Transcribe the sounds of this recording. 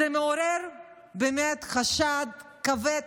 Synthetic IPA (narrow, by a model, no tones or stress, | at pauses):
emeoɾeɾ | beːmetχaʃad̪̚ | kave